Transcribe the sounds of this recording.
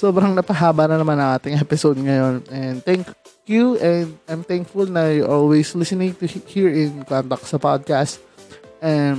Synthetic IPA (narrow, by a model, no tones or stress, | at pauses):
soːbɾɐŋnɐpɐɦaːbɐnɐnɐmanɐ̃ŋʔaːt̪ɪŋɛpɪsod̪ŋɐjo̞nɛnd̪t̪ɛ̃ŋkkjuʔɛ̃nd̪ʔajmt̪ɛ̃ŋkfʊlnɐjuʔolwɛjslɪsɪnɪ̃ŋt̪uhiɹɪ̃nkɔnt̪ɐk̚sɐpad̪̚kast̪ | ʔɛn